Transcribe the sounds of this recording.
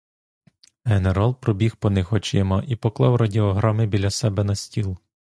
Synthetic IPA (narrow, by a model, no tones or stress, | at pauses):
ɦeneɾɑlˠpɾɔbʲixpɔnɪxɔt͡ʃɪmɐʔipɔklˠɑwɾɐdʲiɔɦɾɑmɪbʲilʲɐsɛbɛnɐsʲtʲilˠ